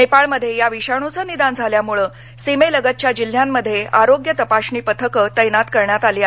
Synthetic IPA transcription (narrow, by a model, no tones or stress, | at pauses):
epaɭməd̪ʱːjejaʋiɕaɳ̃ut͡səːnid̪and͡zʱaljamuɭəː | simeləɡət̪̚t͡ɕjad͡ʑil̤ːjamːəd̪ʱːjeaɾoɡjət̪əpaɕniːpət̪ʰəkət̪əjnat̪kəɾɳjat̪aliːa